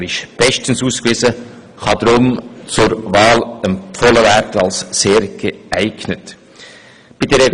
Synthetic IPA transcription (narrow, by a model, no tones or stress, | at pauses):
ɾɪʃb̥ɛʃtən̩suːskvɪzə | χɑd̪ɾʊmt͡sʊɾvɑːlɛmpfɔləvæːɾtɑlsːeːɾɡ̥əæɪɡ̥nət | b̥idɛɾɛ